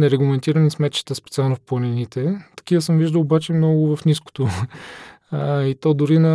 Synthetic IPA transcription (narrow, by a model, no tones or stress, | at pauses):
nɛɾɛɡlˠɐmɛnt̪iɾənismɛt̪t͡ʃi̥t̪əspɛt̪sialˠnofplˠɐninit̪ɛt̪ɐ̥kivəsəmviʒd̪əlˠobat͡ʃɛmnɔɡʊvɐfnisko̥t̪o | it̪ɔd̪ʊɾinɐ